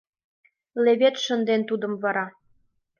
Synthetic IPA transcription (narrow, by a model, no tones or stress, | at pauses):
leβet̪ʃə̆nd̪ent̪ud̪ə̆mvɑɾɑ